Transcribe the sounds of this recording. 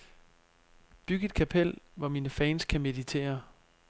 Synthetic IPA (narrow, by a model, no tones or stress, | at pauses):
b̥yɡ̥əe̝d̥̚kʰæpʰel̰ʋɒmiːnəfɛːnskʰæme̝ðˠit͡sʰe̝̰ːɐ